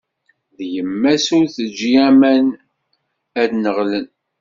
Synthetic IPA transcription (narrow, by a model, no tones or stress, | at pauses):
ðjəmːæsuɾθəd͡ʒːijæmæn | æd̪nəʁlən